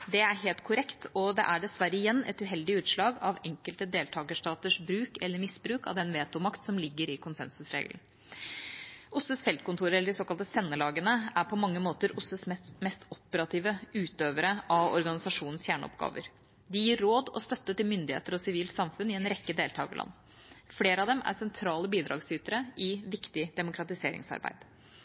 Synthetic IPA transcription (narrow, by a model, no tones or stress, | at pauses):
d̪ɛæɾɦeːlt̪kʰʊɾɛkt̪ɔd̪ɛ̰ʔæɖɛsʋæɾəɪjɛnːɛ̰t̪ʉɦɛld̪ɪʉːt̪ʂlɑːɡɑʋɛŋkəlt̪əd̪eːlt̪ʰɑːɡəʂʈɑːt̪əʂbɾʉːkɛlːəɾmɪsbɾʉːkɑ̰ʋd̪ɛnʋeːt̪ʊmɑkt̪sɔmlɪɡːəɾɪkʰʊnsɛ̰nsʉsɾḛːɡln̩ | ʊsəsfɛlt̪kʊnt̪uːɾəɛlːəɖɪsoːkɑlt̪əsɛnːəlɑːɡənəæɾpʰɔmɑŋːəmoːt̪əɾʔʊsəsmɛst̪ɔpəɾɑt̪ʰiːʋəʉːt̪øːʋəɾəʔɑʋɔ̰ɾɡɑnɪsɑʂuːnn̩sfjæːɳ̰ɔ̰pɡɑ̰ːʋə̰ɾ | d̪ɪjiːɾːoːd̪ɔst̪œt̪ːət̪ɪlmʏnd̪ɪeːt̪əɾɔsɪʋiːlt̪sɑmfʉnɪɛnɾɛkːəd̪eːlt̪ʰɑːɡə̰lʔɑ̰nː | fleːɾəɑd̪ɛmæ̰sɛnt̪ʰɾɑːləbiːd̪ɾɑ̰ːɡsyːt̪əɾəʔɪʋɪkt̪ɪd̪ɛmʊkʰɾɑt̪ɪseːɾɪ̰ŋsɑ̰ɾbæ̰ɪd̪̥